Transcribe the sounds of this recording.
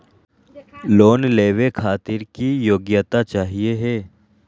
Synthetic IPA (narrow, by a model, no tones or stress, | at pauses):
loːnleːʋekʰaːt̪ɪɾkijoːɡjət̪at͡ʃaːɦieɦɛː